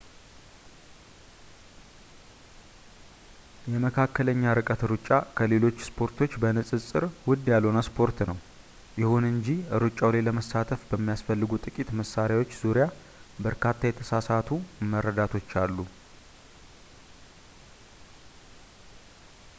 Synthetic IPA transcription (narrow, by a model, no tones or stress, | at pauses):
jɛməkʰakːələɲːaɾɨkʼət̪ɨɾɨt͡ʃʼːakʰəle̞lo̞t͡ʃːspʰo̞ɾt̪ʰo̞t͡ʃːbənɨsʼɨsʼɨɾwʊd̪jalonəspʰo̞ɾt̪nəw | jɪhunɨɲd͡ʒiɨɾɨt͡ʃʼawlaləməsat̪ʰəfbəmːijasfəlːɨɡut̪ʼɨkʼit̪məsaɾjawo̞t͡ʃːz̥uɾja | bəɾkʰat̪ʰːajɛt̪ʰəsasat̪ʰumːəɾːəd̪at̪ʰo̞t͡ʃːalːu